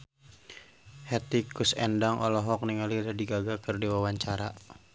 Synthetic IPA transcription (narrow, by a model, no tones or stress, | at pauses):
hɛt̪ikusɛ̰ndaŋʔɔ̰lɔɦɔk̚niŋalidadiɡaɡakɨrdiwawaɲt͡ʃaɾa̰